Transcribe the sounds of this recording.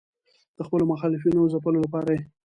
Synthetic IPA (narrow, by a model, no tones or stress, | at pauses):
d̪̥əxpəlomaxɑlɪfinozapəlolapɑɾaje